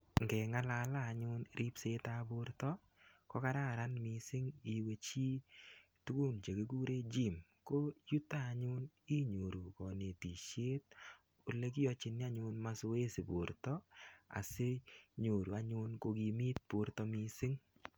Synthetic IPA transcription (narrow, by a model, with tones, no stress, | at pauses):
ŋɡɛ˨ŋa˦la˨laː˦˨ɲʊ˦nɾʔi˦pse˦ta˦bʊ˦ɾtɔ˦ | kɔ˦ka˦ɾa˦˨ɾa˦nmɪ˨sɪ˦ŋi˨we˧t͡ʃi˦ | tu˦ku˦˨nt͡ʃe˨ke˦ɡu˦ɾe˦d͡ʒi˦˨mko˦ju˦taː˦˨ɲʊ˦n | i˦ɲo˨ɾu˨kɔ˨ne˨ti˨ʃje˦t̚ | o˨le˦k̬i˦jɔ˧t͡ʃɪ˨˦nɪ˦a˦ɲʊ˧nma˦so˦e˦si˨bo˨ɾtɔ˦a̰˨se˦ɲo˨ɾu˨a˨ɲʊ˦nko˧ɡi˧mi˦t̚b̥o˨ɾtɔ˦mi˦sɪ˦ŋ